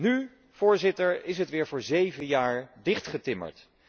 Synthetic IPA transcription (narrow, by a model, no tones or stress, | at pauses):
ny | v̥ʊːɹzɪtəɹɪs̬ɦətʋɪːɹvʊːɹzejvənjaːɹdɪχtχətɪmə̰ɹt